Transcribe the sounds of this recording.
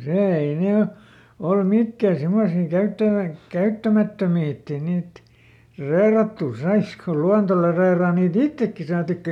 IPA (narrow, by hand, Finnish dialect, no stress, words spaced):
seˑ ei ne o olːu mikːæˑ simːosiː kæytːæʋæ kæytːæmætːømiː etː ei niːt reˑĭrɑtːuˑ sɑiskɑ ko luɑnto le reirɑː niːt itːekːi sɑːtikːɑ